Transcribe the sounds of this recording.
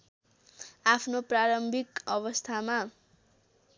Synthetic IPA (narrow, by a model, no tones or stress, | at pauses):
apʰnopraɾʌmbʱikʌβʌst̪ʰama